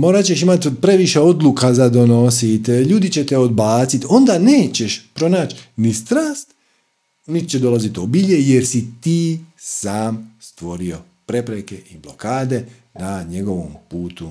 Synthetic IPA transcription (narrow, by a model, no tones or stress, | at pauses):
mo̞ɾat͡ɕe̞ʃimat̪pɾe̞ʋiʃeo̞d̪lˠukazad̪o̞no̞sit̪ʎuːd̪it͡ɕe̞t̪eo̞d̪baːt̪sit̪o̞nd̪aneːt͡ɕe̞ʃpɾo̞naːt͡ɕnist̪ɾaːst̪ | nit̪t͡ɕed̪o̞lazit̪obiʎeje̞ɾsit̪iːsaːmst̪ʋo̞ɾio̞ | pɾe̞pɾekeʔiblo̞kaːd̪e̞ | naɲe̞ɡo̞ʋompuːt̪u